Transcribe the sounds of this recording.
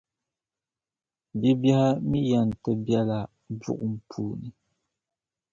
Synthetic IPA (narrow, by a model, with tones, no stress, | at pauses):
bi˦bɛ˦ha˦mi˦ja˨n˨tɨ˦bjɛ˦la˨ | bṵ˦˨ʔʊ˨m̩˨pʰuː˦nɨ˨